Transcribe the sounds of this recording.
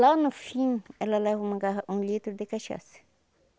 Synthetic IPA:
lanʊfĩɛlɐlɛvɐũmɐɡaɦɐũlit̪ɾʊd̪ɪkaʃa̰sɐ̥

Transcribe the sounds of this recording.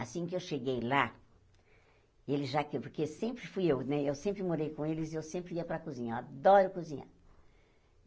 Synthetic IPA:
asĩkɪewʃeɡejla | elɪzʒakepoɾkesẽmpɾɪfujewnɛewsẽmpɾɪmoɾejkõelɪzɪewsẽmpɾɪiɐpɾɐkuzĩɲɐead̪ɔɾʊkuzĩɲa̰

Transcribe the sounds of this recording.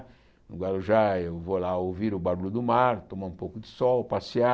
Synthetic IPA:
nʊɡalʊʒaewvolaowviɾʊbaɾulʊd̪ʊmaɾt̪õmaũpowkʊd̪ɪsɔwpasia

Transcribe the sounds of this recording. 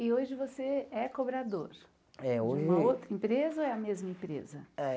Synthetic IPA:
ɪoʒɪvoseɛkobɾad̪oɾ | ɛoʒũmɐowt̪ɾɐẽpɾezɐoɛɐmezmɐẽpɾḛzɐɛ

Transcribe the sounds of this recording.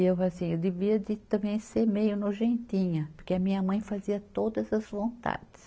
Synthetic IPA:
ewasĩewd̪eviɐd̪ɪt̪ɐ̃bẽj̃seɾmejʊnoʒẽnt̪ĩɲɐpoɾkeɐmĩɲɐmɐ̃j̃faziɐt̪od̪ɐzɐzvõnt̪a̰d̪ɪs

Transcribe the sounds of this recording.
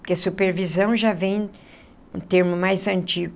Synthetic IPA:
kɪɐsupeɾvizɐ̃w̃ʒavẽj̃ | ṵ̃t̪eɾmʊmajzɐ̃nt͡ʃiɡʊ

